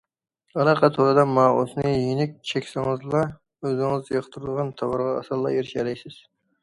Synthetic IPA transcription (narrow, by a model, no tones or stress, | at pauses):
ɑlˠɑqʰɑt̪ʰoɾɨd̪ɑmɑo̰snɨjinɪk̚ʲt͡ʃʰɛkʲsɨŋɨzlˠɑ | øzɪŋɨzjɑqt̪ʰɨɾɨd̪əʁɑnt̪ʰɑwɑɾʁɑ̰ːsɑlˠːɑjeɾɪʃɛlɛjsɪz̥